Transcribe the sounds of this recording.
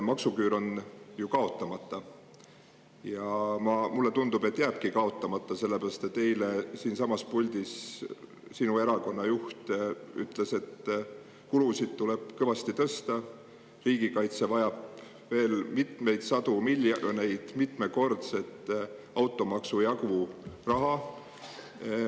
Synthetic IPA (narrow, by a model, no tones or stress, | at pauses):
mɑksukyːɾo̞njukɑo̞t̪ːˑɑmɑt̪ːɑ | jɑmɑmulːe̞t̪und̪̥ubet̪ːˑjæːb̥̚kikɑo̞t̪ːˑɑmɑt̪ːˑɑse̞lːepæɾɑst̪e̞t̪ːe̞jlesiːnsɑmɑspulʲd̪is | sinue̞ɾɑko̞nːɑjuht̪y̰t̪ˑle̞se̞t̪ | kulusid̪̥̚t̪ule̞b̥̚kɤvɑst̪it̪ɤst̪ɑ | riːɡ̥ikɑjt̪sevɑjɑb̥ | ve̞ːlmit̪me̞jd̪̥sɑd̪umiljɑne̞jd̪̥mit̪me̞ko̞rt̪se̞t̪ːˑɑwt̪ːˑo̞mɑksujɑɡurɑɦɑ